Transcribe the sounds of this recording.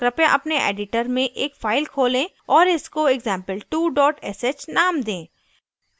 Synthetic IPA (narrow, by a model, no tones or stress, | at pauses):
kɾɐpjãʔɐpneʔḛːɖɪʈəɾmẽʔeːkfaːɪlkʰoːlẽ | ɔːɾɪskoɪɡzɛ̃ːmpəlʈuːɖɔːʈɛseːt͡ʃnaːmd̪ẽː